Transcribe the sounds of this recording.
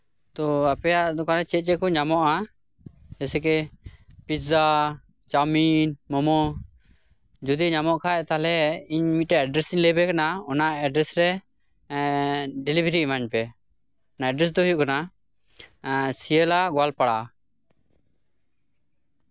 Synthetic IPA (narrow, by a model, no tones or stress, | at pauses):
t̪ɔapɛjaʔd̪ɔkanat͡ʃɛt̪̚t͡ʃɛkɔɲamɔʔa | d͡ʒɛsɛkɛpiza | t͡ʃaminmɔmɔ | d͡ʒud̪iɲamɔʔkʰaɛt̪alɛiɲmit̪̚ɾɛɛɖɾɛsiɲlɛbɛkanaɔnaɛɖɾɛsɾɛ | ɖɛlibɾimaɲpɛ | naɛɖɾɛs̬d̪ɔɦujuʔkana | sijɛlaɡɔalpaɽaʔ